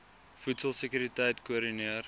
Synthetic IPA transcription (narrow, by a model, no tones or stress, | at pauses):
futsəlˠsəkyɾitɛjtkuəɾiniər